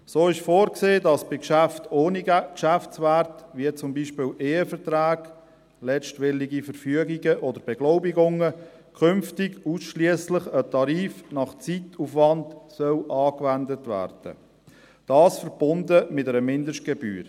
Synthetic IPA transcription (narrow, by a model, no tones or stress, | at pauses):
soːɪʃfoːɾkseːdɑsb̥ɪkʃæftoːnikʃæft͡sʋærtʋiət͡sʊmbiːʃpɪːlʔeːəfəɾtɾæːɡ̥ | lɛʃtʋɪliɡifəɾfyəɡiɡəʔɔdəɾb̥ɛɡ̥loʊbiɡʊŋə | kʰʏmftɪɡusʃliəsləχətʰɑɾiːfnɑχt͡situfʋɑntsœlʔɑːkʋændətʋæ̰ːrd̥ə̰ | d̥ɑːsfəɾb̥ʊndəmɪtəɾəmɪndəʃt̚ɡ̥ɛby̰ːɾ